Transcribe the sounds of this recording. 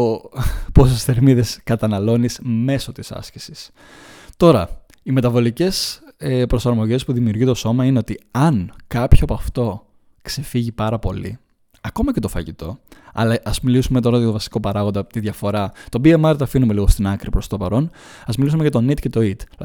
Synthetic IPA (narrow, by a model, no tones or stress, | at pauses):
opo̞s̬esθe̞ɾmiðe̞skɐt̪ɐnɐlo̞nisme̞so̞t̪isɐ̰sci̥sis | t̪o̞ɾɐ | ime̞t̪ɐvo̞lice̞sepɾo̞sɐɾmo̞ʝe̞spuðimiuɾʝit̪o̞so̞mɐineo̞t̪iɐnkɐpçopɐft̪o̞ | kse̞fiʝipɐɾɐpo̞̰lḭ | ɐko̞mɐce̞t̪o̞fɐ̰ʝit̪o̞ɐ̰lɐʔɐzmilisume̞t̪o̞ɾɐɐt̪ovɐsi̥ko̞pɐɾɐɣond̪ɐpot̪iðʝɐfo̞ɾɐt̪o̞biemɐɾt̪ɐfinumeliɣo̞st̪inɐkɾipɾo̞st̪opɐɾo̞n | ɐzmilis̬umeʝɐt̪o̞nit̪ce̞t̪o̞it̪